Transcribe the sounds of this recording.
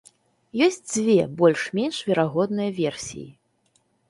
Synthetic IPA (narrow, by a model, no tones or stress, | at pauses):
jɔsʲt͡sʲd͡zʲvʲɛbɔlʲʂmʲɛnʂvʲɛɾaɣɔd̪̚nɨjɐvʲɛrsʲḭjḭ